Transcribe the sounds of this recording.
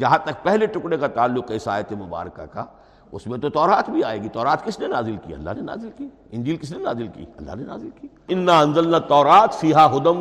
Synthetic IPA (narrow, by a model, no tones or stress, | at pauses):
d͡ʒɐɦãt̪ɐk̚pɛɦleʈʊkɽekat̪aːlːʊkɐɪsaːjət̪emʊba̰ːɾka̰ka̰ | ʊ̰smẽt̪ot̪ɔːɾaːt̪bʱiaːeːɡit̪ɔːɾaːt̪kɪsnenaːzɪlkḭɐ̰lːa̰ɦnena̰ːzɪlkiː | ɪ̃nd͡ʒiːlkɪs̬nenaːzɪlkḭːɐ̰lːa̰ɦnena̰ːzɪlkiːɪnːaɐ̃nzɐlnat̪ɔːɾaːt̪fiːɦaɦʊd̪əm